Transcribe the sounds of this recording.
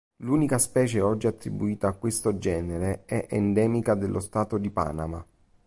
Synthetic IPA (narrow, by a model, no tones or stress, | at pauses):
luːnikaspɛːt͡ʃeɔd͡ʒːiat̪ːɾibuiːt̪aːkːwest̪od͡ʒɛːneɾeɛʔɛnd̪ɛːmikad̪elːʔost̪aːt̪od̪ipa̰ːnama̰